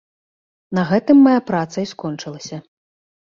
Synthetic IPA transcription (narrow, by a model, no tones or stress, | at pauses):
nɐɣɛt̪ɨmːɐjapɾat̪sɐiskɔnt͡ʂɨlˠɐsʲɐ